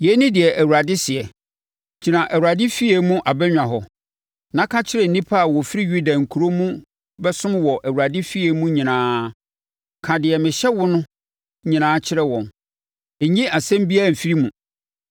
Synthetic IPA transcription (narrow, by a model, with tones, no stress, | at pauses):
jɛ˨˦nĩ˦dɪ˨ɛ˨ʔæ˨wu˨ɾa˨dɪ˦sɪ˨ɛ˨ | d͡ʑʰi˨nã˨ʔæ˨wu˨a˨dɪ˦fi˦e˨mũ˦ʔa˨bɛ˦ɲᶣã˨ɦɔ˨ | nã˦kʰa˦t͡ɕʰɪ˦ɾɛ˦˨n̩˨nĩ˦pʰa˦a˨wɔ˨fi˦ɾi˦ɥu˦da˨ŋ̩˨kʰu˨ɾo˦mũ˦ | bɛ˦sʊ̃˦m˦wɔ˨ʔæ˨wu˨ɾa˨dɪ˦fi˦e˦mũ˦ɲĩ˨nãː˦ | kʰã˨dɪ˨ɛ˨mɪ̃˨ɕɛ˦wʊ˦nʊ̃˦ | ɲĩ˨nãː˦t͡ɕʰɪ˦ɾɛ˦wɔ̃˨n | e˨ɲĩ˦a˨sɛ̃˦m˦bi˦a˦˨m̩˨fi˦ɾi˦mũ˨